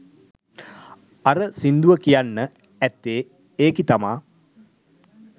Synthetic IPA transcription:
aɾəsind̪uʋəkijanːə | ɛt̪ːeː | eːkit̪amaː

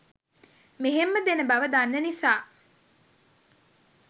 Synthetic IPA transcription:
meɦemːəd̪enəbɐʋəd̪anːənisaː

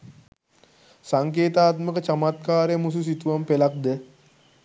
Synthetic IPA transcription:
saŋkeːt̪aːt̪məkət͡ʃamat̪kaːɾejmus̬us̬it̪uʋampelak̚d̪ə

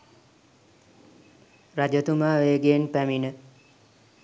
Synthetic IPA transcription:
rad͡ʒət̪umaːʋeːɡeːnpæminə

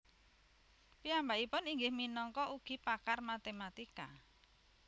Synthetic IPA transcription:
piambaʔipʊniŋɡɪhminɔŋkɔuɡ̥i̤pakarmat̪emat̪ika

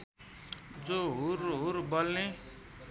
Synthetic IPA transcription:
d͡zoɦuɾɦuɾbolne

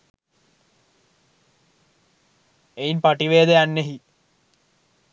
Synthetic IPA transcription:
einpaʈiʋeːd̪ejanːeɦi

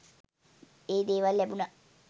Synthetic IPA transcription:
eːd̪eːʋalːæbuna

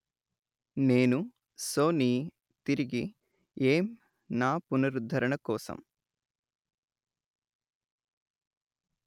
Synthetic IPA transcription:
neːnu | soːniː | t̪iɾiɡi | eːm | naːpunɐɾud̪ʱɐɾɐɳɐkɔːsɐ̰m

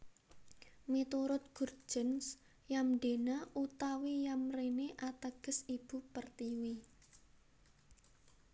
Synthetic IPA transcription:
mit̪uɾʊt̪̚ɡ̥ur̥ʒ̥ə̤ns | jamɖe̤naʔut̪awijamreneʔat̪əɡ̥ə̤sib̥ṳpərt̪iwi

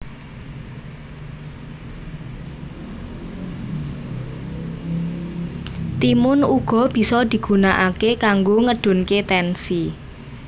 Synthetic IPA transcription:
t̪imʊnuɡ̥ɔ̤b̥i̤sɔd̪̥i̤ɡ̥ṳnaʔakekaŋɡoŋəɖ̥ʊ̤nket̪ɛnsi

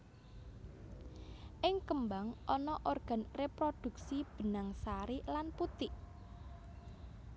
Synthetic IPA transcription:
ʔɪŋkəmbaŋʔɔnɔʔorɡ̥ä̤nrepɾod̪̥ṳksib̥ə̤naŋsaɾilanput̪ɪʔ

